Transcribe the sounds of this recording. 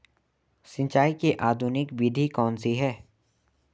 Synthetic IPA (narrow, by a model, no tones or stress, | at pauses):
sɪ̃ɲt͡ʃaːikeʔaːd̪ʱunɪkʋid̪ʱikɔːnsiɦɛː